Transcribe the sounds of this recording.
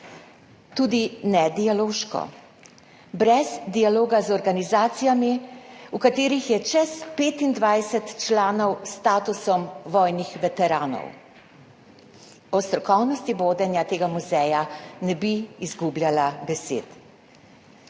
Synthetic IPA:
t̪uːd̪inɛd̪ijaloːʃkɔ̰ | bɾɛzd̪ialoːɡazɔɾɡanizaːt̪sijamiukat̪eːɾixjɛt͡ʃɛspeːt̪ind̪ʋajsɛt̪t͡ʃlaːnɔwst̪aːt̪usɔmʋɔjnixʋɛt̪ɛɾaːnɔ̰w | ɔst̪ɾɔkɔwnɔst̪iboːd̪ɛnjat̪eːɡamuzɛjanɛbiːzɡubljalabɛsḛːt̪

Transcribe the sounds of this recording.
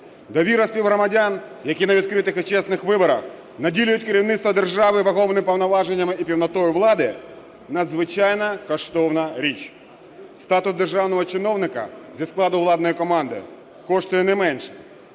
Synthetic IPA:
d̪ɔʋʲiɾɐsʲpʲiwɦɾɔmɐdʲanjɐkʲinɐʋʲid̪kɾɪt̪ɪxɔt͡ʃɛsnɪxʋɪbɔɾɐ̰x | nɐdʲilʲʊjʊtʲkeɾʲiwnɪt̪st̪ʋɐd̪erʒɑʋɪʋɐɦɔʋnɪpɔwnɐʋɑʒenʲːɐmɪipʲiwnɐt̪ɔjʊʋlˠɑd̪ɪ | nɐd̪zʋɪt͡ʃɑjnɐkɔʃt̪ɔwnɐɾʲit͡ʃ | st̪ɑt̪ʊs̚d̪erʒɑwnɔɦɔt͡ʃɪnɔwnɪkɐ̰zʲisklˠɑd̪ʊʋlˠɑd̪nɔjikɔmɑnd̪ɪ̰ | kɔʂt̪ʊjɛnɛmɛnʃɛ̥

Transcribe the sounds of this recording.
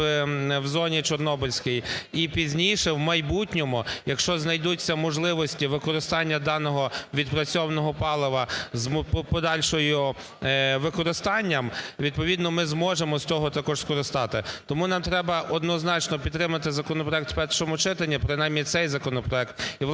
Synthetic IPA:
wzɔnʲit͡ʃɔrnɔbɪlʲsʲkɪjipʲizʲnʲijʃɛwmɐjbutʲnʲɔmʊjɐkʃt͡ʃɔznɐjd̪ut͡sʲːɐmɔʒlˠɪʋɔsʲtʲiʋɪkɔɾɪst̪ɑnʲːɐd̪ɑnɔɦɔʋʲid̪pɾɐt͡sʲɔwnɔɦɔpɑlˠɪʋɐzmppɔd̪ɑlʲʃɔjʊ | ʋɪkɔɾɪst̪ɑnʲːɐmʋʲid̪̚pɔʋʲid̪nɔmɪzmɔʒemɔst͡sʲɔɦɔt̪ɐkɔʒskɔɾɪst̪ɑt̪ɪt̪ɔmunɑmt̪ɾɛbɐʔɔd̪nɔznɑt͡ʃnɔpʲid̪t̪ːɾɪmɐt̪ɪzɐkɔnɔpɾɔɛk̚t̪wpɛrʃɔmʊt͡ʃɪt̪ɐnʲːipɾɪnɑjmnʲit̪sɛjzɐkɔnɔpɾɔɛk̚t̪ilˠ

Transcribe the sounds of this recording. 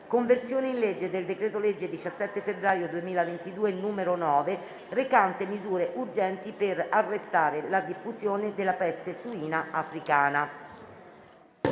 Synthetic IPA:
koɱversjoːneinled͡ʒːed̪eld̪ekɾeːt̪oled͡ʒːed̪it͡ʃasːɛt̪ːefebɾaːjod̪uemiːlavent̪id̪uːenuːmeɾonɔːve | rekant̪emizuːɾeʔurd͡ʒɛnt̪iperarːest̪aːɾelad̪ifːuzjoːned̪elːapɛst̪esuiːnaafɾikaːna

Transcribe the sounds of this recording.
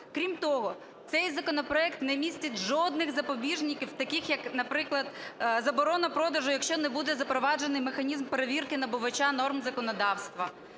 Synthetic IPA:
kɾʲimt̪ɔɦɔ | t̪sɛjzɐkɔnɔpɾɔɛkt̪nɛmʲisʲtʲɐtʲʒɔd̪nɪɣzɐpɔbʲiʒnʲɪkʲiwt̪ɐkɪxjɐknɐpɾɪklˠɐd̪zɐbɔɾɔnɐpɾɔd̪ɐʒʊjɐkʃt͡ʃɔnɛbud̪ɛzɐpɾɔʋɑd͡ʒenɪjmexɐnʲizmpeɾeʋʲirkɪnɐbʊʋɐt͡ʃanɔrmzɐkɔnɔd̪ɑwst̪ʋɐ

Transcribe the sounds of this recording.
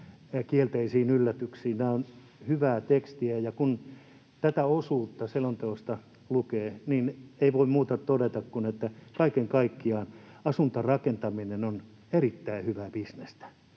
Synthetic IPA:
kielt̪eisiːnylːæt̪yksiːnnæːon | hyʋæːt̪ekst̪iæjɑkun | t̪æt̪æosuːt̪ːɑselont̪eost̪ɑ | lukeːniːneiʋoimmuːt̪ɑt̪odet̪ɑkkunet̪ːækɑikeŋkɑikːiɑːnɑsunt̪ɑrɑkent̪ɑminenon | erit̪ːæihyʋæpisnest̪æ̥

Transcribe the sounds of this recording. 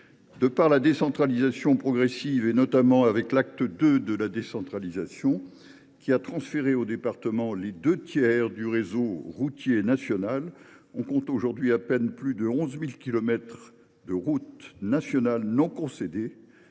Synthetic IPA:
d̪əpaʁlad̪esɑ̃t̪χalizasjɔ̃pχɔɡʁɛsivenɔt̪amɑ̃avɛklak̚t̪əd̪ød̪əlad̪esɑ̃t̪χalizasjɔ̃ | kʲiat̪χɑ̃sfeʁeod̪epaʁt̪əmɑ̃led̪øt̪jɛʁd̪yʁezoʁut̪jenasjɔnal | ɔ̃kɔ̃t̪oʒuʁd̪ɥiapɛnplyd̪əɔ̃zmilkʲilɔmɛt̪χ | d̪əʁut̪nasjɔnalnɔ̃kɔ̃sed̪e

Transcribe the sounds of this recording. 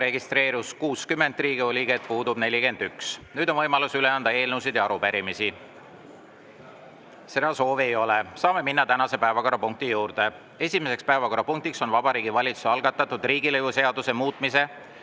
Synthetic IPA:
ɾe̞ɡist̪ɾe̞ːɾuskuːskymːe̞nd̪riːɡio̞lʲiket̪̚puːd̪ub̥ne̞lʲike̞nd̪̥yksnyːd̪o̞nvɤjmɑlusyle̞ɑnd̪̥ɑe̞ːlnusid̪̥jɑɑɾupæɾimisi | se̞d̪ɑso̞ːveejo̞lesɑːme̞minːɑt̪ænɑse̞pæevɑko̞ɾɑpuŋk̚t̪ijuːɾd̪̥e̞ | e̞sʲime̞se̞kspæevɑko̞ɾɑpuŋk̚t̪ikso̞nvɑbɑɾiːɡivɑlʲit̪su̥seɑlɡɑt̪ːˑɑt̪ːˑud̪̥riːɡilɤjvuse̞ɑd̪̥use̞muːt̪ˑmise̞

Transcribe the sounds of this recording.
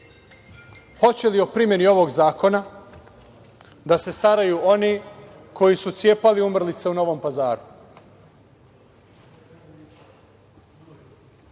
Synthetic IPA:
ho̞t͡ɕe̞lio̞pɾimje̞nio̞ʋo̞ɡzaːko̞na | d̪ase̞st̪aɾajuːʔo̞niː | kʰo̞jisut̪sje̞ːpaliumr̩lit̪seuno̞ʋo̞mpazaːɾu

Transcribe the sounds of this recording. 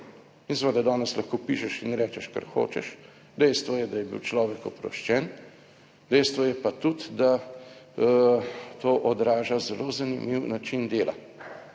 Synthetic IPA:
insʋeːd̪ad̪ɔːnɛslaxkoːpiːʃɛʃinɾɛːt͡ʃɛʃka̰ɾxo̰ːt͡ʃɛ̰ʃ | d̪ɛjst̪ʋɔjɛd̪ajɛbḭwt͡ʃlɔːʋɛkɔpɾɔ̰ʃt͡ʃɛn | d̪ɛjst̪ʋɔjɛpat̪ut̪d̪a | t̪oːʔɔd̪ɾaːʒazɛlozanimiwnat͡ʃind̪eːla̰

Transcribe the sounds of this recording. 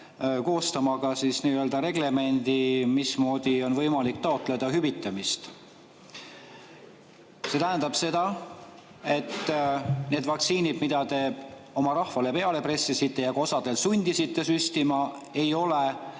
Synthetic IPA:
ko̞ːst̪ɑmɑɡ̥ɑsisniːøld̪̥ɑɾe̞ɡle̞me̞nʲd̪̥imismo̞ːd̪̥io̞nvɤjmɑlikt̪ɑo̞t̪ːˑle̞d̪̥ɑɦybit̪ːˑɑmist̪ | se̞t̪æɦænd̪̥ɑb̥se̞d̪̥ɑ | e̞t̪ːne̞ːd̪vɑkt̪siːnid̪̥mid̪̥ɑt̪e̞o̞mɑɾɑhvɑle̞pe̞ɑle̞pre̞sːisit̪ːe̞jɑko̞sɑd̪̥e̞lsunʲd̪̥isit̪ːe̞syst̪imɑ | e̞jo̞le

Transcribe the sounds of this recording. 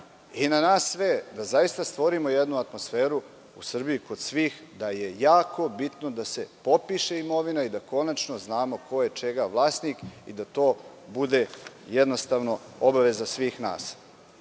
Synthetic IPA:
inanaːsːʋed̪azajist̪ast̪ʋo̞ɾimo̞jed̪nuat̪mo̞sfeːɾu | usr̩bijiko̞d̪sʋiːxd̪aje̞jaːko̞bit̪no̞d̪ase̞po̞piʃe̞imo̞ʋinaid̪ako̞nat͡ʃno̞znaːmo̞ko̞jet͡ʃe̞ɡaʋlˠaːsnikḭd̪at̪o̞ː | bud̪e̞jed̪no̞st̪aʋno̞obaʋe̞zasʋiːxna̰ːs

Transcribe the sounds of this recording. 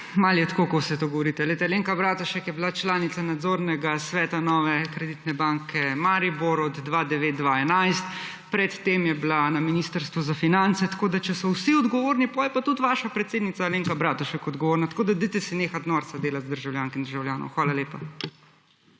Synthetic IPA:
maljɛt̪ḁkokosɛt̪oɡɔʋɔɾit̪ɛlɛt̪ɛleŋkabɾaːt̪ɔʃɛkjɛbilat͡ʃlaːnit̪sanad̪zoːɾnɛɡasʋɛːt̪anɔːʋɛkɾɛd̪it̪nɛbaŋkʰɛmaɾiboɾɔd̪ːʋaːd̪ɛʋeːt̪̚d̪ʋaɛnajst̪ | pɾɛt̪ːemjɛblanaminiːst̪əɾst̪ʋuzafinant̪sɛt̪ḁkoːd̪at͡ʃɛsɔwsiɔd̪ɡɔʋoːɾnipɔjɛpat̪ut̪ʋaʃapɾɛt̪seːd̪nit̪saleːŋkabɾat̪ɔʃɛkɔd̪ɡɔʋoːɾnat̪ḁkoːd̪ad̪it̪ɛsineːxat̪nɔɾt̪sad̪eːlat̪zd̪əɾʒawljaːŋskind̪əɾʒawljaːnɔ̰wxʋaːlaleːpa

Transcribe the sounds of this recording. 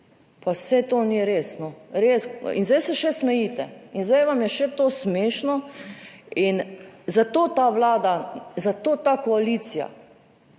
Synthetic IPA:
pasɛt̪oniɾeːsnɔɾeːsḭnzd̪ɛjsɛʃɛsmɛjiːt̪ɛinzd̪ɛjʋamjɛʃɛt̪oːsmeːʃnɔ | inzat̪oːt̪aʋlaːd̪azat̪oːt̪akoalit̪sija̰

